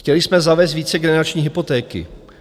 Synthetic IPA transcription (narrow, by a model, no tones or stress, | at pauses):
cɛlɪsmɛzavɛːs̬t̪viːt͡sɛɡɛnɛɾat͡ʃɲiːɦɪpot̪ɛːkɪ̰